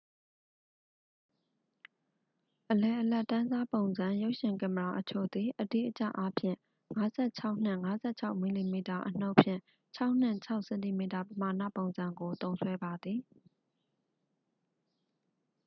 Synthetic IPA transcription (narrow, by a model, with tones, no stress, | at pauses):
ʔəlɛ˨ʔəlɛ˦˨ʔtːã˦nza˦põ˨ʊ̃nzã˨jo˦ʊʔʃɪ̃˨ŋka˨məɹa˨ʔət͡ɕʰo̰˦˨d̪i˨ʔədḭ˦˨ʔət͡ɕa̰˦˨ʔa˦pʰjɪ̰̃˦˨ | ŋa˨˦zɛ˦˨t͡ɕʰa˦ʊʔn̥ɪ̰̃˦˨ŋa˨˦zɛ˦˨t͡ɕʰa˦ʊʔmi˨li˨mi˨ta˨ʔən̥o˦ʊʔpʰjɪ̰̃˦˨ | t͡ɕʰa˦ʊʔn̥ɪ̰̃˦˨t͡ɕʰa˦ʊʔsɛ̃˨nti˨mi˨ta˨pəma˨nä̰˦˨põ˨ʊ̃nzã˨ŋɡo˨t̪õ˦ʊ̃nswɛ˦ba˨d̪ði˨